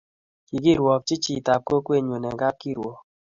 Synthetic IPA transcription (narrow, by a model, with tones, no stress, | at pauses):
ki˨ɡi˦˨ɾwɔ˨p̚t͡ʃi˦t͡ʃi˦˨ta˨p̚ko˦kwe˦˨ɲo˨nɛ˨ɡa˦p̚ki˦˨ɾwɔ˨